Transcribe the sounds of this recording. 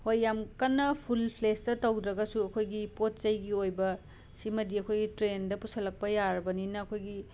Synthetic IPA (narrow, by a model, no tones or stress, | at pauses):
hojːamkɐnːɐpʰulpʰlestɐtɐwdɾɐɡɐsuɐkʰojɡipot̚t͡ʃɐjɡiojbɐ | simɐdiɐkʰojɡitɾendɐpusɐlɐk̚pɐjaɾɐbɐninɐːkʰojɡi